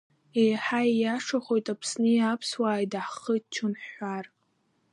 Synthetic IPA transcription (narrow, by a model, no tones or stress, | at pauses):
ejħaijaʂaχʷo̞jtʼapʰsnɨjapʰswaːjdaħχət͡ʃʰʊnħar